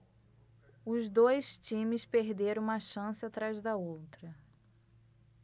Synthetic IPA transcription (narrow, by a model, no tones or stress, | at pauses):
ʊzd̪ojst͡ʃĩmɪspeɦd̪eɾɐ̃w̃ũmɐʃɐ̃sɪat̪ɾazd̪ɐowt̪ɾɐ